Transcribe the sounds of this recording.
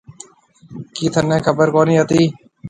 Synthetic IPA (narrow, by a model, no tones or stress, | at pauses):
kiːt̪ʰənẽːkʰəbəɾkoːniːət̪iː